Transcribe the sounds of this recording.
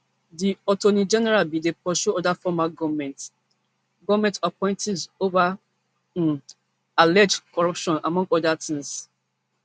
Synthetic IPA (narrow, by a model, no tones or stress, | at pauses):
diɔtonid͡ʒɛnɛɹalbidepɔʃuɔdafɔmaɡɔvmɛ̃nt | ɡɔvmɛ̃ntapɔ̃ɪ̃ntʰizovã | n | alɛd͡ʒkɔɹɔpʃɔ̃na̰mɔ̃ŋɡɔdatʰĩŋs